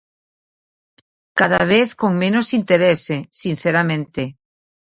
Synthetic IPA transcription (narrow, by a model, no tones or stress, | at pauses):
kaðaβ̞eθkoŋmẽnosint̪eɾesesinθeɾamẽnt̪e